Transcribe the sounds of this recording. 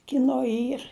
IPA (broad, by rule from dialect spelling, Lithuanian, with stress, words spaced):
kʲɪˈnoː ˈiːr